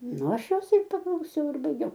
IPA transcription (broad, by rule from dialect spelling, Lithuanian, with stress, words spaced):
ˈnʊ ˈɐʃ ˈjoːs ɪr pɐklˠɐʊˈsʲɛʊ ɪr bɐɪˈɡʲɛʊ